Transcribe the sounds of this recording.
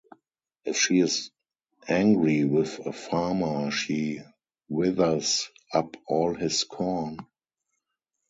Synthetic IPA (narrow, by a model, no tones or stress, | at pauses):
ʔɪfʃiːɪz | ʔæ̃ŋɡɹiwɪðəfaːmə˞ʃiː | wɪðə˞zʔapɔːlhɪskʰɔn